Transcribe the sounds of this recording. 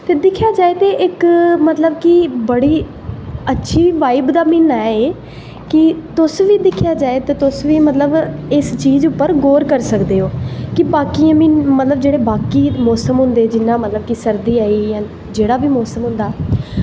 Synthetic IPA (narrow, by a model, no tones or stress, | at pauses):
t̪eːd̪ɪkʰjaːd͡ʒaːeːt̪eːʔɪkmət̪ləbkɪbəɽiː | ətːʃʰiːʋaːɪbd̪aːmɪnːaːɛeː | kɪt̪ʊsʋiːd̪ɪkʰːjaːd͡ʒaːeːt̪eːt̪ʊsʋiːmət̪ləbɪst͡ʃiːzʊpːəɾɡoːɾkəɾsəkd̪eːɦoːkɪbaːkiːãːmĩːmət̪ləbd͡ʒeːɽeːbaːkiːmɔːsəmɦʊ̃nd̪eːd͡ʒɪnːãːmət̪ləb̚kɪsəɾd̪iːaːiːjãː | d͡ʒeːɽaːʋiːmɔːsəmɦʊ̃nd̪aː